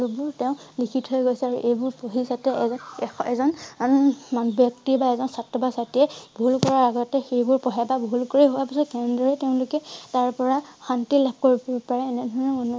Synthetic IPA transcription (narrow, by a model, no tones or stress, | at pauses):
lubʊɹteʊ̃likʰithojɡojsɛaɹuʔejbʊɹpoɦisatɛ | ɛzɔn | manbjɔktibaɛzɔnsatɹɔbasatiɛbʱulkɔɹaɹaɡɔtɛxejbʊɹpɔɦababʱulkoɹiɦowapisɔtkɛnndɔɹɛteʊ̃lʊkɛtaɹpɔɹaxantilap̚ʰkoɹibpaɹɛːnɛdʱɔɹɔnonu